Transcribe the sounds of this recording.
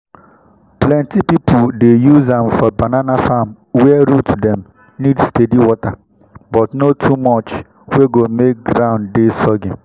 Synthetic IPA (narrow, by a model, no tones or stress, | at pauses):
plɛ̃ntipipʰʊdejuzãmfɔbananafam | wɛɾutʰdɛ̃m | nidstediwɔta | bɔtnotʰumɔt͡ʃ | weɡomek̚ɡɾãʊ̃ndesɔɡɪ̃n